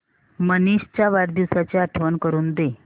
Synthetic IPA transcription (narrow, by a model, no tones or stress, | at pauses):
məniɕt͡ɕjaʋaɾd̪iwsat͡seaʈʰʋənkəɾuːnd̪e